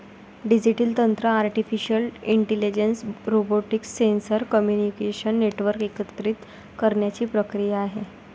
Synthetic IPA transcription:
ɖid͡ʑiʈilt̪ənt̪ɾəaɾʈifiɕəliɳʈelid͡ʑensɾoboʈiksensəɾkəmjunikeɕənːeʈʋəɾkekət̪ɾit̪ | kəɾɳjat͡ɕiːpɾəkɾijaːɦe

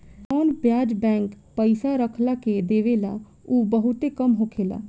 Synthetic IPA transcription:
ɔːnbjaːd͡ʒbɛ̃ːŋk | pəisaɾəkʰlaːked̪eːʋeːlaː | uːbəɦʊt̪eːkəmɦoːkʰeːla̰ː

